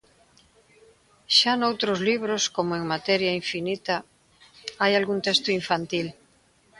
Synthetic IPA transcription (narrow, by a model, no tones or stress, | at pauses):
ʃanowt̪ɾozliβɾoskomoeŋmat̪ɛɾjaiɱfinit̪a | ajalɣunt̪est̪oiɱfant̪il